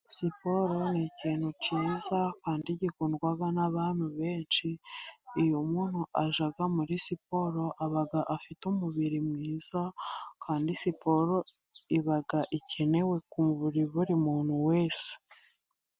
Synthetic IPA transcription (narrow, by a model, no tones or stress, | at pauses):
sipo̞ɾo̞niciːn̥huciːzakaːndiɟikunɡwaɡanaβaːn̥huβe̞ːnt͡ʃiː | jumun̥huʔaʒaɡamuɾisipo̞ɾo̞ʔaβaɡaʔafitumuβiɾimŋiːz̥akʰaːndisipo̞ɾo̞ | iβaɡaʔicʰe̞ne̞we̞kumuβuɾiβuɾimuːn̥huwe̞ːse̥